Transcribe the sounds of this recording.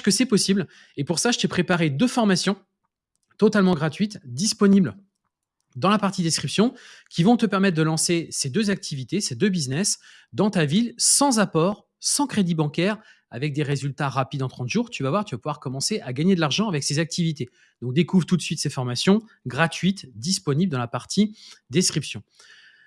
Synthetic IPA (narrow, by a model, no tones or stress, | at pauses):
ʃkəsɛpɔsibl | epuʁsaʒət̪yɛpχepaʁed̪øfɔʁmasjɔ̃ | t̪ɔt̪almɑ̃ɡʁat̪ɥit̪d̪ispɔnibl | d̪ɑ̃lapaʁt̪id̪eskχipsjɔ̃kʲivɔ̃t̪əpɛʁmɛt̪̚ːd̪əlɑ̃sesed̪øzak̚t̪ʰivit̪esed̪øbiznɛs | d̪ɑ̃t̪avilsɑ̃zapɔʁ | sɑ̃kχed̪ibɑ̃kʲɛʁ | a̰vɛk̚d̪eʁezylt̪aʁapid̪ɑ̃t̪χɑ̃t̪ʒ̥uʁt̪yvavwaʁt̪yvapuvwaʁkɔmɑ̃seʔaɡaɲed̪əlaʁʒɑ̃avɛksezak̚t̪ivit̪e | d̪ɔ̃k̚d̪ekuvʁt̪ut̪sɥit̪sefɔʁmasjɔ̃ | ɡʁat̪ɥit̪d̪ispɔnibld̪ɑ̃lapaʁt̪ʰid̪eskχipsjɔ̃